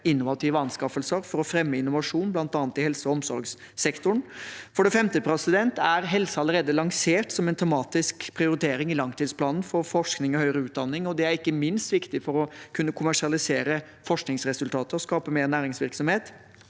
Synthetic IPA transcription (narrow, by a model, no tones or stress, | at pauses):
ɪnːʊʋɑt̪ʰiːʋəɑnskɑfəlsəɾfɔɾɔfɾɛmːəɪnʊʋɑʂuːnblɑnt̪ɑːnət̪ɪhɛlsəɔɔmsɔɾɡs | sɛkt̪ʊɳfɔɖɛfɛmt̪əpʰɾɛsɪd̪ɛnt̪æɾɦɛlsəɑləɾeːd̪əlɑŋseːʈsɔmɛnt̪ʰɛmɑːt̪ɪskpʰɾɪʊɾɪt̪ʰeːɾɪŋɪlɑŋt̪iːd̪spʰlɑːnn̩fɔɾfɔʂknɪŋɔhœʏɾəʉːt̪̚d̪ɑnːɪŋɔd̪ɛæɾɪkːəmɪnst̪ʋɪkt̪ɪfɔɾɔkʰʉnːəkʰʊmæʂɪɑlɪseːɾə | fɔʂknɪŋsɾɛsʉlt̪ʰɑːt̪əɾɔskɑːpəmeːɾnæːɾɪŋsʋɪɾksɔmheːt̪